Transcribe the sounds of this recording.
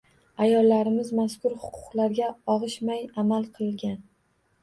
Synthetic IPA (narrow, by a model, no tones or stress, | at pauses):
ajɒlːaɾɪmɪzmaskʊɾhʊ̥qʰʊ̥qlaɾɡʲaɒʁɨʃmajamalˠqʰɨlˠɪlɡʲan